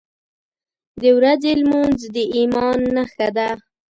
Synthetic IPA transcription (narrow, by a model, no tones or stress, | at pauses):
d̪əwɾazelmunzd̪əʔimɑnːaxad̪a